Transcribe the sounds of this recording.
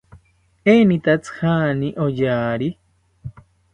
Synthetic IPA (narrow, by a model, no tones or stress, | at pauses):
enit̪at͡sɨ̥haniʔojaːɾi